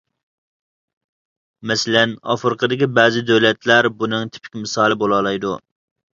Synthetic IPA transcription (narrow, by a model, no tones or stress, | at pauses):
mɛsɪlɛnɑ̰fɨɾqʰəd̪ɪkʲibɛːzɪd̪øwlɛt̪læɾbunɨŋt̪ʰy̥pʰɪ̥kʲmɪsɑːlˠɪbolˠɑlˠɑjd̪u